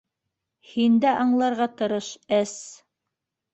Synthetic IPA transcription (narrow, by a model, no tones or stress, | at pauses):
hind̪æʔɑɴlˠɑɾʁɑt̪ɤ̆ɾɤʃæs